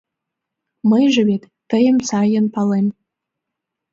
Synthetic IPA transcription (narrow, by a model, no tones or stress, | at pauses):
məjʒə̆βet̪ːəjə̆msɑjə̆npɑlˠem